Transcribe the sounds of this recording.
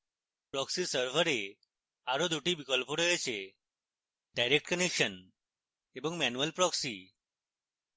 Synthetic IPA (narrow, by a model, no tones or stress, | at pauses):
pɾɔksisəɾʋəɾe | aɾod̪ʱuʈibikəlpoɽəet͡ɕe | ɖajɾek̚ʈkənekɕən | ebəŋɡmænuʋəlpɾɔksḭ